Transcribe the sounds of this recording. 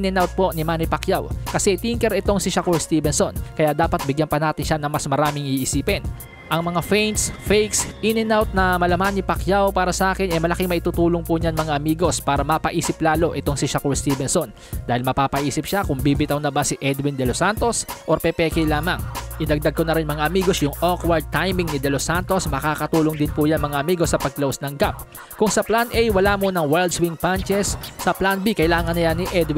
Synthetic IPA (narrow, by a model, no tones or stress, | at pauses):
nɛnawt̪̚po̞ʔnɪmaːnɪpɐkjawkɐsɛt̪iŋkɛɾɛt̪o̞ŋsɪʃɐkoɹst̪iːbɛnso̞nkɐjaʔd̪aːpɐt̪̚bɪɡjanpɐnaːt̪ɪnʃanɐŋmɐsmɐɾaːmɪŋiʔɪsiːpɛn | ʔɐŋmɐŋafɛjnsfɛjksʔinɛnawt̪̚nɐmɐlɐmanːɪpɐkjawpaːɾɐsɐʔaːkɪnʔɛmɐlɐkɪŋmɐʔɪt̪uːt̪uːloŋpʊɲaŋmɐŋaʔɐmiːɡo̞spaːɾɐmɐpɐʔiːsɪplaːlo̞ʔɛt̪o̞ŋsɪʃɐkoɹst̪iːbɛnso̞n | d̪aːhɪlmɐpaːpɐʔiːsɪp̚ʃakʊŋbiːbɪt̪ɐwnɐbasɪʔɛd̪wɪnd̪ɛlosant̪o̞sʔoɾpɛpɛkɛlaːmɐŋʔɪd̪ɐɡ̚d̪aɡ̚konɐɾɪnmɐŋaʔɐmiːɡo̞sjʊŋʔokwɛɹd̪̚t̪ajmɪŋnɪd̪ɛlosant̪o̞smɐkaːkɐt̪uːloŋd̪ɪnpujanmɐŋaʔɐmiːɡo̞sɐpɐɡ̚lowsnɐŋɡap̚ | kʊŋsɐplanʔɛjwɐlaːmonɐŋwɛld̪swiŋpant͡ʃɛsːɐplanbikɐjlaːŋɐnɐjanːɪʔɛd̪w